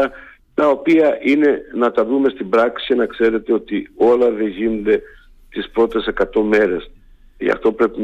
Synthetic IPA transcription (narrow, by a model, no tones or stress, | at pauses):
ɐ | t̪ɐo̞piɐʔine̞nɐt̪ɐvume̞st̪ibɾɐksi̥inɐkse̞ɾe̞t̪e̞o̞t̪io̞lɐðe̞ʝinond̪e̞ | t̪ispɾo̞t̪e̞se̞kɐt̪o̞me̞ɾe̞s | ɐ̰ft̪o̞pɾe̞pin